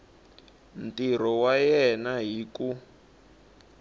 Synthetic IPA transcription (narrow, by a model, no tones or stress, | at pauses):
n̩tiɾ̤ɔwajɛnaɦiku